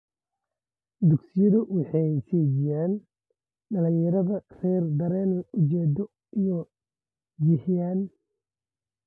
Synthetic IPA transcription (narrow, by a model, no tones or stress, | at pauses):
d̪ʊɡsɪjɐðɐwɑħɑjʃɛːd͡ʒɪjaːn | ɖɐlɪjɐɾɐðɐrɛjrd̪ɐɾɛːnʊt͡ʃɛːd̪ɔ | ijɔ | d͡ʒɪħɪjaːn